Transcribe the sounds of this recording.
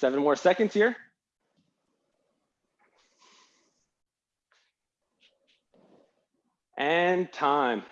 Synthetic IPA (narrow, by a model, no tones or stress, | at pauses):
sɛvə̃nmɔɹsɛkɨ̃ndz̥hiɹ | ʔɨ̃ntʰãɪ̃m